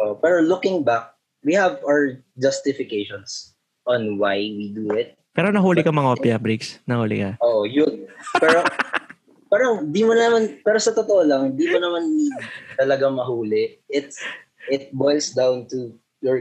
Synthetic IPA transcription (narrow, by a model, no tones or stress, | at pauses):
ʔoʔopɛːɾolʊkɪ̃ŋbak̚ | wihɐvawəɹd͡ʒɐst̪ɪfɪkejʃɔns | ʔɔ̃nwajwid̪uɪt̪̚pɛːɾonɐɦuːlɪkɐmɐŋopɛɐbɾiksnɐhuːlɪ̰kaʔoːʔojʊnpɛɾo | paːɾɐŋnd̪iːmonɐnɐmanpɛːɾosɐt̪ot̪oʔolɐŋhnd̪iːmonɐmanːit̪ɐlɐɡaŋmɐɦuːlɪʔɪt̪ | ʔɪt̪̚bojlsd̪awnt̪u | jɔɹ